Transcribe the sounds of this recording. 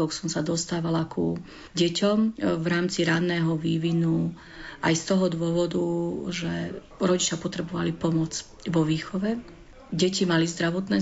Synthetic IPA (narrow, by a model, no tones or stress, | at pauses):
ɔksɔmsad̪ɔst̪aːʋalaku | ɟɛcɔmʋɾaːmt͡siɾanːɛːɦɔʋiːʋinu | ʔajst̪ɔɦɔd̪ʊɔʋɔd̪uʒɛ | ɾɔɟit͡ʃɪapɔt̪ɾɛbɔʋalipɔmɔt͡s | ʋɔʋiːxɔʋɛ | ɟɛcimalizd̪ɾaʋɔt̪nɛː